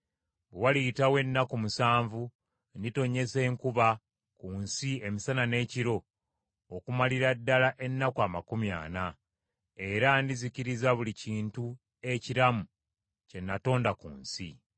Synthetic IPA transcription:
wewalitawe̞nːakumusaːɱvu | ndito̞ɲːe̞se̞ːŋkuβa | kunsie̞misanane̞ːciɾo̞ː | kumaliɾadːalaʔe̞nːakwamakumja̰ːna | e̞ɾandiziciɾizaβuliciːntu | e̞ciɾamu | ce̞nːato̞ːndakṵːnsi

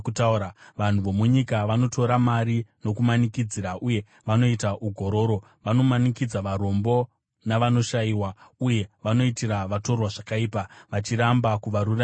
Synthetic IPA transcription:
kutauɾaʋan̤uʋo̞muɲikaʋano̞tʰo̞ɾamaɾino̞kumanikid͡ziɾaʔuje̞ | ʋano̞itaʔuɡʱo̞ɾo̞ːɾo̞ | ʋano̞manikid͡zaʋaɾo̞mbo̞ | naʋano̞ʃaiːwauje̞ʋano̞itiɾaʋato̞rwaʐakaiːpaʋat͡ʃiɾambakuʋaɾura

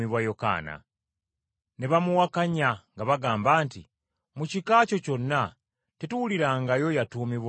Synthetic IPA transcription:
iβwajo̞ka̰ːna̰ | ne̞βamuwakaɲaŋɡaβaɡaːmbaːnti | mucikaːco̞co̞nːa | tetuwuliɾaːŋɡajo̞jatuːmiβw

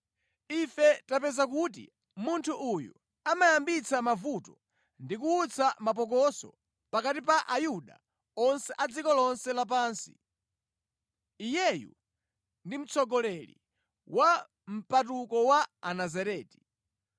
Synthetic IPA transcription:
ifɛtapɛzak̬utḭ | muntʰuʔujṵ | amajambit͡samavutɔ | ndikuːt͡sʰamap̬ɔk̬ɔsɔ̰ | pakatipaʔajuɗa̰ | ɔnsɛʔad͡zikɔlɔnsɛlap̬aːnsi̥̰ | ijɛjṵ | ndim̩t͡sɔɡɔlɛlḭ | wa | m̩pat̬ukɔwaanazaɾɛːti̥

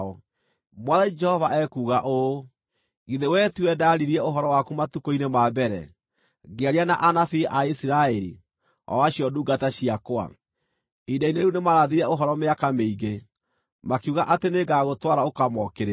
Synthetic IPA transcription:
ɔ | mwaðad͡ʒɛhɔvaʔɛkuːɣaʔo | ɣiðewɛtwɛdaɾiɾiɛoɦɔɾɔwakumatukoinemabɛɾɛ̰ | ɣeaɾianaʔanafiʔaisiɾaɛɾḭ | ɔ̰waɕjɔduːɡataɕiakoa̰ | idaineɾunemaɾaðiɾɛoɦɔɾɔmeakameiɣɡe | makuɣaʔateneɡaɣotwaɾaokamɔkeɾe

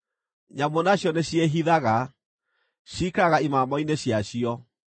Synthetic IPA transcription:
ɲambonaɕjɔneɕjeɦiðaɣa | ɕikaɣaimamɔineɕjaɕiɔ

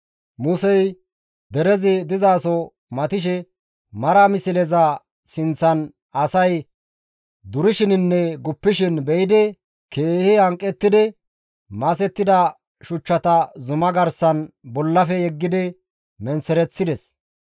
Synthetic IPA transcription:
mʊsɛj | d̪ɛɾɛzɪd̪ɪzaːsɔ | mɐt̪ɪʃ̬ɛ | mɐɾɐmɪsɪlɛzɐ | sɪnt͡sːɐn | ɐsɐj | d̪ʊɾɪʃɪnɪnːɛɡʊpːɪʃɪnbɛjɪd̪ɛ | keːhɪɐŋkʼːɛt̪ːɪd̪ɛ | mɐsɛt̪ːɪd̪ɐ | ʃʊt͡ʃːɐt̪ɐzʊmɐɡɐɾsɐnbɔlːɐfɛjɛɡːɪd̪ɪ | mɛnsɛɾɛt͡sːɪd̪ɛs

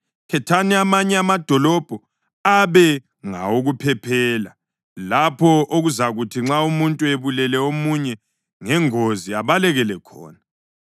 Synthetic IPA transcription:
kʰɛtʰaniamaɲɛamad̥ʱɔlɔb̥ʱɔ | aβɛ | ŋa̰oɣupʰɛpʰɛːla | lapʰɔoɣuzaɣutʰiŋ͡ǁaumuntʼueβulɛlɛomuɲɛ | ŋɛŋoziaβalɛɣɛlɛkʰɔ̰ːna

